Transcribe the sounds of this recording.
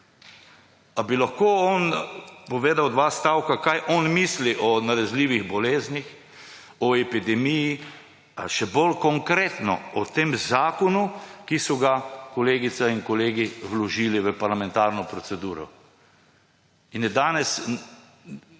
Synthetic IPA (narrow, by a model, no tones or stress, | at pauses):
abilaxkoːɔnpɔʋeːd̪awd̪ʋaːst̪awkakajʔɔnmisliʔɔnaɾɛzliːʋiɣbɔleːznix | ɔɛpid̪ɛmiji | ʃɛbolkɔŋkɾeːt̪nɔ̰ɔt̪emzaːkɔnukisɔɡakɔleːɡit̪sainkɔleːɡiwlɔʒiːliʋəpaɾlamɛ̃nt̪aːɾnɔpɾɔt̪sɛd̪uːɾɔ̰ | injɛd̪aːnɛs